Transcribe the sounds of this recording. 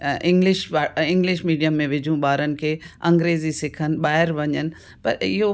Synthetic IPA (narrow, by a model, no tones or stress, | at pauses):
ɪ̃ŋɡlɪʃaɪ̃ŋɡlɪʃmiːɖijəmːẽʋɪd͡ʑʱũɓaːɾənɪ̆kʰeːɐ̃ŋɡɾeːzisɪkʰənɪ̆ɓaːɦɪɾʋɐɲənɪ̆ | pɐ̰ɾɪɦo